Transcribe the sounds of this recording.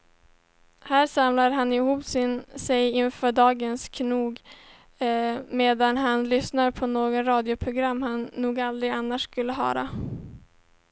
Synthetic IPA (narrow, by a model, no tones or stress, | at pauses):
hæːɾsamlaɾɦanːɪhuːpsɪnsɛjɪnfœːɖɑːɡənskʰnuːɡ | meːd̪anɦanlʏsnaɾpʰɔnoːɡɔnɾɑːd̪ɪʊpʰɾʊɡɾamːhanːuːɡald̪ɾɪɡanːaʂkɵlːəɦœ̰ːɾa̰